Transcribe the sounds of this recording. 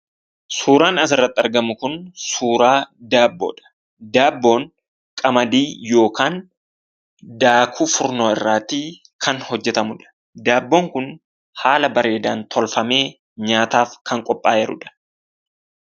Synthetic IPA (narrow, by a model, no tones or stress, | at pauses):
suːɾaːnɐs̬ɪrːɐt̪ːɐɾɡɐmʊkʊnsuːɾaːd̪aːbːo̰ːᶑɐ̥ | d̪aːbːo̞ːŋ | kʼɐmɐd̪iːjo̞ːkaːn | d̪aːkʰuːfʊɾnoːɪrːaːt̪i | kʰɐnhɔd͡ʒːɛt̪ɐmʊᶑɐ̥ | d̪aːbːo̞ːŋkʊn | haːlɐbɐɾe̞ːd̪aːnt̪ʰɔlfɐme̞ː | ɲaːt̪aːfkɐŋkʼɔpʼːaːjɛɾʊ̰ᶑɐ̥